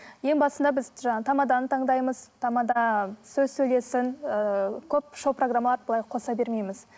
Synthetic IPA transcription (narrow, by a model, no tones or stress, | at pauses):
je̞ŋbɑsənd̪ɑbɪzʒɑt̪ʰɑmɑd̪ɑnət̪ʰɑɴd̪ɑjməzt̪ʰɑmɑd̪ɑsɵzsɵjle̞sɪŋ | kʲʰɵp̚ʃo̞proɡramːɑlˠɑɾbəlˠɑjqʰo̞sɑbe̞ɾmejmɪz